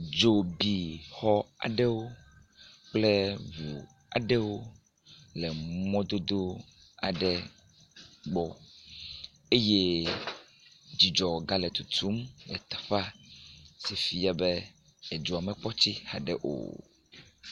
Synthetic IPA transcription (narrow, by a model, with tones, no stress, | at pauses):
d͡ʒo˨bi˨xɔ˦a̰˨ɖɛ˦wo˦ | k͡plɛ˦vu˨ | a˨ɖɛ˦wo˦ | lɛ˨mɔ̃˦d̪o˦d̪o˦ | a̰˨ɖɛ˨ | ɡ͡bɔ˨ | e˦je˦ | d͡ʑi˨d͡ʒɔ˨ɡa˦lɛ˨t̪u˨t̪ʰu˦mlɛ̰˨t̪ḁ˨ɸa˦ | sɛ˨fi˨˦a˦bɛ˦ | ɛ˨d͡ʒo˨a˨mɛ˨k͡pɔ˦t͡ɕi˦ha˨ɖɛ̰˨ʔo̰˨